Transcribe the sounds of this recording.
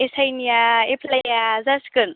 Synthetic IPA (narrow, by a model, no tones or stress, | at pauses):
esajnijaepʰlajazaskɯn